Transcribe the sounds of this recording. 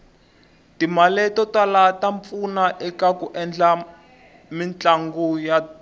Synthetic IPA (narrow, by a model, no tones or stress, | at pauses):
timalɛtɔtalataɱfunaʔɛkakuʔɛnd͡ɮa | mint͡ɬaŋɡuja